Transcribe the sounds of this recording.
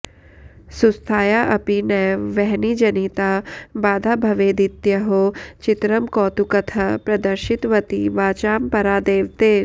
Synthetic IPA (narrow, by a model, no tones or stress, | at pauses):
sust̪ʰaːjaʔɐpinɛʋɛɦnid͡ʒɐnit̪aːbaːd̪ʱabʱɐʋeːd̪it̪jɐɦot͡ʃɪt̪ɾɐmkɔːt̪ukɐt̪ʰɐpɾɐd̪ɐɾʃɪt̪ʋɐt̪iʋaːt͡ʃaːmpɐɾaːd̪eːʋt̪eː